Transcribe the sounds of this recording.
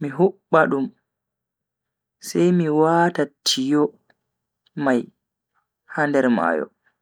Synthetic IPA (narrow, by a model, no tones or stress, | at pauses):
miɦuɓːaɗum | sɛjmiwatatʰːijɔ | maj | handɛɾma̰ːjɔ̰